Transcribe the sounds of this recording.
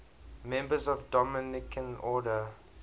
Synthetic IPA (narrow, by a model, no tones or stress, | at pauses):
mɛ̃mbəzɔvdɔmɪnɪkʰə̃nɔːdə